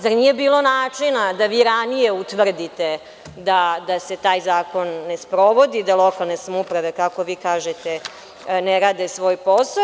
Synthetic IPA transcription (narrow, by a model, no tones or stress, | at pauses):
zaɾniːjebiːlˠo̞naːt͡ʂinad̪aʋiːɾanije̞ut̪ʋr̩d̪it̪e | d̪ad̪ase̞t̪aːjzaːko̞nːespɾo̞ʋo̞d̪id̪alˠo̞kalˠne̞samupɾaʋe̞kako̞ʋiːkaːʒet̪e | neɾaːd̪esʋo̞ːjpo̞sa